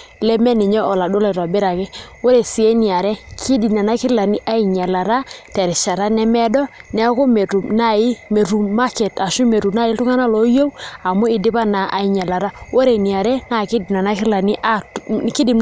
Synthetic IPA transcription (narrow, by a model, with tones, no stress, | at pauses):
lɛ˦mɛ˦nɪ˨ɲɛ˦ɔ˨la˨do˦la˨ɾɔ˨bɪ˦ɾa˨kɛ˦wo˦ɾe˨si˨e˦ni˨a˨ɾɛ˦kʰi˦di˨na˨na˦kɪ˦ɾla˨ni˦ʔa˦i˨ɲa˨la˨ɾa˦tɛ˨ɾɪ˨ʃa˨ɾa˦nɛ˦mɛ˦dɔ˦nɛ˦a˦ko˦m˨tu˨na˦ɪ˦me˨ɾu˨ma˦kɛ˨ta˨ʃu˦me˨ɾu˨na˦ɪ˦ltʊ˦ŋa˦na˦lɔ˨˦jo˦wa˨mo˦ɪ˨dɪ˦pa˦na˨a˨i˨ɲa˨la˨ɾa˦wo˦ɾe˨ni˨a˨ɾɛ˦na˨kɪ˦ɪ˨na˨na˦kɪ˦la˨nɪ˦ʔa˦kɪ˦dɪ˨